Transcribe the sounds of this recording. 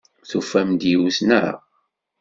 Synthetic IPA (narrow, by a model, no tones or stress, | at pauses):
θufːæmd̪jiwsnæɾa̰